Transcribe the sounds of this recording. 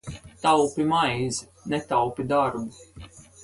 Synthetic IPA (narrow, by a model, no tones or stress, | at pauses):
t̪awpʲimajz | nɛt̪awpʲid̪aɾbu